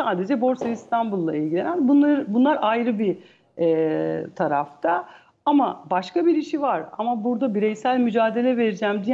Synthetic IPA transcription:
saːd̪e̞d͡ʒɛbo̞ɾseist̪ʰanbulˠːa̰ilʲɟilʲe̞nænbunˠaɾbunlˠaɾajɾɯbi | ɛt̪ʰaɾa̰ft̪ʰa | ama̰baʃkabiɾiʃivaɾa̰mabuɾd̪abiɾɛjsælʲmyd͡ʒaːd̪e̞lʲɛve̞ɾid͡ʒæːmd̪i

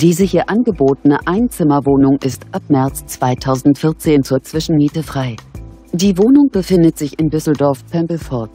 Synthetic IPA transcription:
d̥iːzəhiːɐʔanɡəboːtən̩əʔaɪnt͡sɪmɐvoːnʊŋʔɪstʔap̚mɛɐt͡st͡sv̥aɪtʰaʊzn̩tfɪɐt͡seːnt͡suːɐt͡sv̥ɪʃn̩miːtəfʁ̥aɪ | d̥iːvoːnʊŋb̥əfɪndətz̥ɪçɪndʏsl̩dɔɐfpʰɛmpl̩fɔɐt

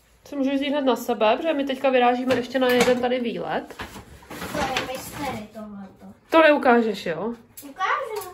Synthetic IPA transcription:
t͡somuːʒuʒziːɦnat̪nasɛbɛprɛɛmɪt̪ɛckavɪɾaːʒiːmɛʔɛʃcɛnajɛdɛnt̪adɪviːlɛ̰t̪ | t̪ojɛmɪst̪ɛɾɪt̪oɦlɛt̪ot̪onɛukaːʒɛʃjoːukaːʒu

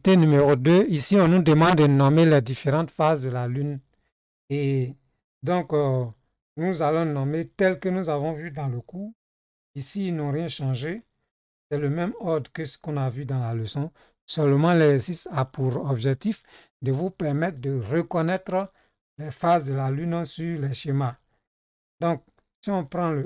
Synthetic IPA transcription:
t̪enymeʁod̪øisiɔ̃nud̪əmɑ̃d̪dənɔmelɛd̪ifeʁɑ̃t̪fazd̪əlalyn | e | d̪ɔ̃k | nuzalɔ̃nɔmet̪ɛlkənuzavɔ̃vyd̪ɑ̃ləku | isiːlnɔ̃ʁjɛ̃ʃɑ̃ʒe | sɛləmɛmɔd̪ʁkəskɔ̃navyd̪ãlaləsɔ̃ | sœlmɑ̃lɛsistapuʁɔbʒɛk̚t̪if | d̪əvupɛʁmɛt̪d̪əʁəkɔnɛt̪ɾ | lɛfazd̪əlalynsyʁlɛʃema | d̪ɔ̃k̚ | siɔ̃pɾɑ̃l

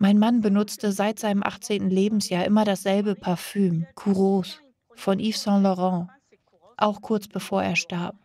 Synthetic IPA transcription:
maɪnmanbənʊt͡stəzaɪtz̥aɪnəmʔa̰χt͡seːntn̩leːbm̩sjaːɐʔɪmɐɾasz̥ɛlbəpʰaɐfyːmkʰuʁoːs | fɔnʔiːfsɛ̃lɔʁɑ̃ | ʔaʊxkʰʊɐt͡sb̥əfoːɐʔeːɐʃtaɐp̚

